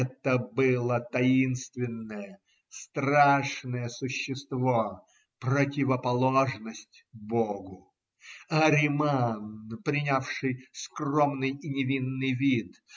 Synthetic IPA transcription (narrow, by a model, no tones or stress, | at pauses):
ɛt̪əbɨlˠət̪ɐinst̪vʲɪnːəjə | st̪raʂnəjəsʊɕːɪst̪vo | pɾətʲɪvəpɐlˠoʐnəsʲtʲboɡʊ | ɐɾʲɪmanpɾʲɪnʲafʂɨjskro̞mnɨjinʲɪvʲinːɨjvʲit̪